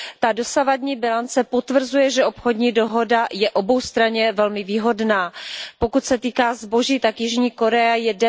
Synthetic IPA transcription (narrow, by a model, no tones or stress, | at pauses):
t̪ado̞savadɲiːbɪlant͡sɛpo̞t̪vr̩zujɛʒɛʔo̞pxo̞dɲiːdo̞ɦo̞dajɛʔo̞bo̞wst̪ɾaɲɛvɛlmɪviːɦo̞dnaːpo̞kut̪sɛt̪iːkaːzbo̞ʒiːt̪akjɪʒɲiːko̞ɾɛajɛdɛ